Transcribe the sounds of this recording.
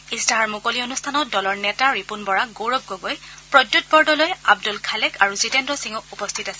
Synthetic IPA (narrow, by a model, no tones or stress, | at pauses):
isdaɦaɹmukolionustʰanɔt̚dɔlɔɹnɛtaɹipunbɔɹaɡoɹɔb̚ɡoɡojpɹɔdjut̚bɔɹdɔlojabdulkʰalɛkʰaɹuzitɛndɹɔsiŋɔupɔstʰitasɛ